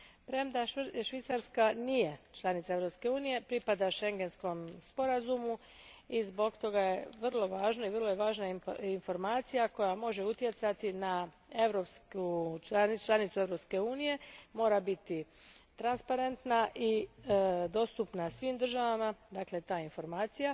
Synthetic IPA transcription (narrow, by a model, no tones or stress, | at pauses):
pɾemd̪aʃʋit̪saɾskanije̞t͡ʃlˠanit̪saeʋɾo̞pske̞uːnije̞pɾipad̪aʃe̞ŋɡe̞nsko̞mspo̞ɾazumu | izbo̞ɡt̪o̞ɡaje̞ʋrlˠo̞ʋaːʒnoiʋrlˠojeʋaːʒnainfo̞ɾmaːt̪sijako̞jamo̞ʒe̞ut̪je̞t̪sat̪ina | e̞ʋɾopskut͡ʃat͡ʃlˠanit̪sueʋɾo̞pske̞uːnije̞mo̞ːɾabit̪it̪ɾanspaɾe̞nt̪naʔi | d̪o̞ːst̪upnasʋiːmd̪r̩ʒaʋamad̪akle̞t̪aːinfo̞ɾmaːt̪sija